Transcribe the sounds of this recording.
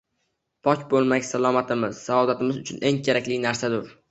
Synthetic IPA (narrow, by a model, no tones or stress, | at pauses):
pʰɒkʲbolˠmakʲsalˠɒmat̪ʰɪmɪz̥saɒd̪at̪ɪmɪzʊt͡ʃʰʊnʔe̞ŋkʲʰeɾakʲlɪnaɾsad̪ʊɾ